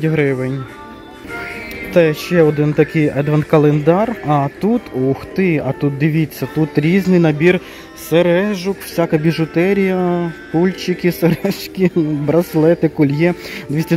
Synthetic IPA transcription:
ɦɾɪʋenʲ | t̪ɛʃt͡ʃɛɔd̪ɪnt̪ɐkɪjɛd̪ʋɐnkɐlˠend̪ɑrɐt̪ut̪uxt̪ɪɐt̪ut̪̚d̪ɪʋʲit͡sʲːɐt̪ut̪ɾʲiznɪjnɐbʲir | seɾɛʒʊkw̥sʲakɐbʲiʒʊt̪ɛɾʲijɐp̪ulʲt͡ʃɪkʲɪseɾɛʃkʲɪbɾɐslˠɛt̪ɪkulʲjɛd̪ʋʲisʲtʲi

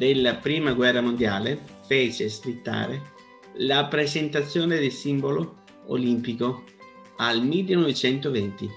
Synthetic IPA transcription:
d̪elːapɾiːmaɡwɛrːamond̪jaːlefeːt͡ʃeskɾit̪ːa̰ːɾe | lapɾezent̪at̪sːjoːned̪elsimbolo | o̰limpiko | almilːenɔvet͡ʃɛnt̪ovɛnt̪i

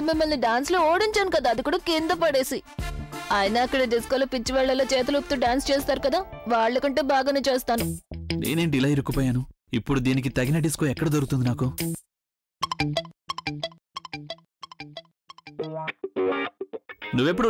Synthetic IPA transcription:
mimːɐlniɖaːnsloːoɔːɽiɲt͡ʃaːnukɐd̪aːd̪ikuːɽɐkind̪ɐp̬ɐɽe̞ːsi | ɐjnaːkːɐɽɐɖ̪iskolopit͡ʃːiʋɛɭːɐlːoːt͡ʃɛːt̪ɐlukt̪uːɖaːnst͡ʃɛːs̬t̪aːɾukɐd̪aːʋaːɭːɐkɐɳʈeːbʱaːɡɐneːt͡ʃeːst̪aːnunḛːne̞ːnɖilɐjɾikːupɐːjaːnu | ipːuɽud̪iːnik̬it̪ɐɡinɐɖiskoɛkːɐɽɐd̪oɾkut̪und̪inaːku | nuʋːep̬ːuɽu

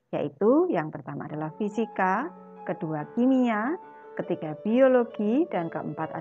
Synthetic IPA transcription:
ja̰ʔit̪ujaŋpərt̪ama̰ːdalahfisika | kəduakimia | kət̪iɡ̥ab̥ioloɡ̥id̥ankəʔəmpat̪a̰

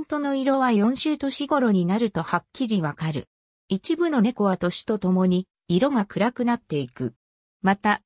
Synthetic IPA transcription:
nt̪o̞no̞iɾo̞βajõ̞ɕɨːt̪o̞ɕiɡo̞ɾo̞ɲ̟inaɾɯ̟t̪o̞hakʲːiɾʲiβakaɾɯ̟̰ | it͡ɕibɯ̟no̞ne̞ko̞βat̪o̞ɕi̥t̪o̞t̪o̞mo̞ɲ̟iː | ɾo̞ŋakɯ̟ɾakɯ̟nat̪ːe̞ikɯ̟̰ | mat̪a

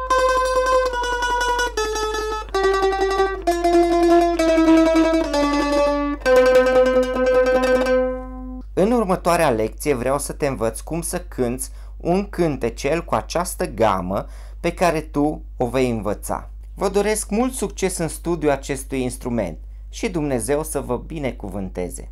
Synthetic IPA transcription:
ɨnurmət̪oaɾeale̞k̚t̪sije̞vɾeawsət̪e̞ɨnvət̪sʲkumsəkʰɨnt̪sʲ | unkɨnt̪e̞t͡ʃe̞lkuat͡ʃast̪əɡa̰mə | pe̞kaɾe̞t̪u | o̞vejɨnvət̪sa̰ | vəd̪oɾe̞skmult̪sukt͡ʃe̞sɨnst̪ud̪juat͡ʃe̞st̪ujinst̪ɾume̞̰nt̪ | ʃid̪umne̞ze̞wsəvəbine̞kuvɨnt̪e̞̰ze̞̰

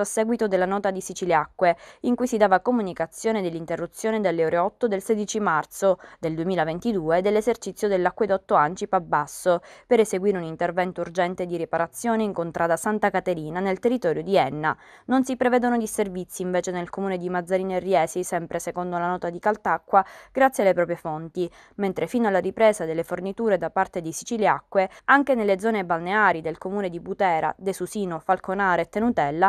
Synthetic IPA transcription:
asːɛːɡwit̪od̪elːanɔːt̪ad̪isit͡ʃileakːweiŋkujsid̪aːvakomunikat̪sːjoːned̪elːint̪erːut̪sːjoːned̪elːeoːɾeɔt̪ːod̪elseːd̪it͡ʃimart̪sod̪eld̪uemiːlavent̪id̪uːed̪elːezert͡ʃit̪sːjod̪elːakːwed̪ɔt̪ːoant͡ʃipabːasːopeɾeseɡwiːɾeunint̪ervɛnt̪ourd͡ʒɛnt̪ed̪iɾipaɾat̪sːjoːneiŋkont̪ɾʔaːd̪asant̪akat̪eɾiːnanelt̪erːit̪ɔːɾjod̪iɛnːanonsipɾevɛːd̪onod̪iservit̪sːiːɱveːt͡ʃenelkomuːned̪imad̪zːaɾiːnerːjɛːsisɛmpɾesekond̪olanɔːt̪ad̪ikalt̪akːwaɡ̥ɾat̪sːjealːepɾɔːpɾjefont̪i | ment̪ɾʔefinalːaɾipɾeːzad̪elːefornit̪uːɾed̪apart̪ed̪esit͡ʃiljakːweaŋk̟enelːed̪zɔːnebalneaːɾid̪elkomuːned̪ibut̪ɛːɾa̰d̪esusiːnofalkonaːɾeːt̪ːenut̪ɛlːa

